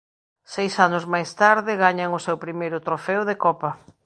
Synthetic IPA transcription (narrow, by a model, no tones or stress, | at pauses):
sejsanʊzmajst̪aɾðɪɣaɲaŋʊsewpɾimejɾʊt̪ɾofɛwðekɔpɐ